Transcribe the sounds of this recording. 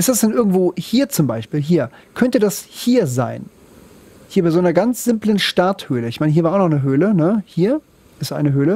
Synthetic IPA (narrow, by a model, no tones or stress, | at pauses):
ʔɪstd̥asd̥ɛnʔɪɐɡŋ̩tv̥oːhiːɐt͡sʊmbaɪʃpiːlɦiːɐkʰœntədashiːɐza̰ɪn | hiːɐbaɪzonɐɡant͡sz̥ɪmplənʃtaɐthøːləɪçmaɪnəɦiːɐvaːaʊnɔχnəɦøːlənəhiːɐ | ʔɪstʔa̰ɪnəɦøːlə